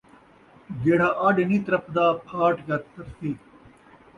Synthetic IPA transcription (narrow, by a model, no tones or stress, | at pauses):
ɡeːɽ̤aːʔaːɖeniːt̪ɐɾɐpd̪aːpʰaːʈɡɐt̪ɐɾsiː